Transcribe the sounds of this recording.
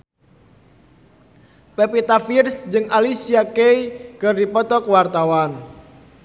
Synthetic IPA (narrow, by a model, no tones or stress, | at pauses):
pepit̪afirsd͡ʒɨŋalisiakeikərdipɔt̪ɔkwart̪awan